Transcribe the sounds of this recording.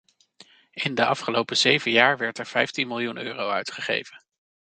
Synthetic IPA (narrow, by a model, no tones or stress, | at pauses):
ɪndəʔɑfχəlowpəzejvəjaːɹʋɛɹtɛɹv̥ɛjftinmɪlˠjunøːrowœɥtχəχḛjvən